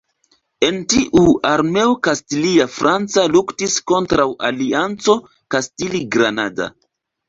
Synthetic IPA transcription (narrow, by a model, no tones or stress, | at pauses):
e̞ntiʔuaɾme̞okastiliafɾʔant͡saluktisko̞ntɾawʔaliant͡so̞ | kastiliɡɾanada̰